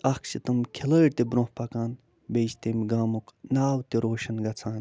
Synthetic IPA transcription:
ɐkʰsit̪ɐmkʲʰiləːʈt̪ebɾõhpɐkaːn | bejst̪emɡaːmuknaːwt̪iɾoːʃɐnɡɐt͡sʰaːn

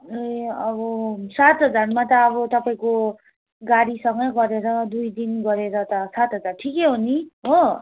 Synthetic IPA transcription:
eʌbʌsat̪ɦʌd͡zarmat̪ʌːbʌt̪ʌpaĩko | ɡaɾisʌŋɡʌɡʌɾeɾʌd̪ujd̪inɡʌɾeɾʌt̪ʌsat̪ɦʌd͡zarʈʰikeɦoniɦo

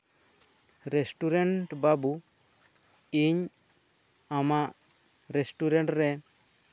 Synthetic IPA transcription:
ɾesʈuɾeɳʈbabu | iɲ | amaʔ | ɾesʈuɾɛɳʈɾɛ

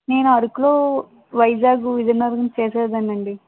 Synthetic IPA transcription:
ne̞ːnuɐɾukuloː | ʋɐjd͡ʒaːɡuid̪ɐɾnɐɾɡɐnt͡ʃeːseːd̪ɐnːɐɳɖi

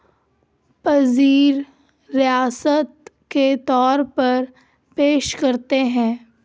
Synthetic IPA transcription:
pɐziːɾː | ijaːsət̪̚ket̪ɔːɾpɐɾ | peːʃkɐɾt̪eɦɛ̃ː

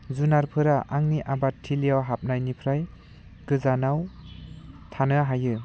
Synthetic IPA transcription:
zunaɾpʰɯɾaʔaŋniʔabatʰːilijawɦap̚najnipʰɾaj | ɡɯzanaw | tʰanɯɦajɯ

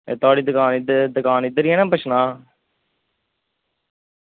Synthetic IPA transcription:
ḛːt̪aːɽiːd̪əkaːnɪd̪d̪əkaːnɪd̪əɾiːɛːnãːpət͡ʃnaː

